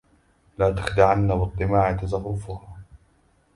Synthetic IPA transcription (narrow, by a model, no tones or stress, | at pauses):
laːt̪ḁxd̪aʕanːabɨt̪ˤːɨmaːʕɪt̪ɑzɑrːʊfʊh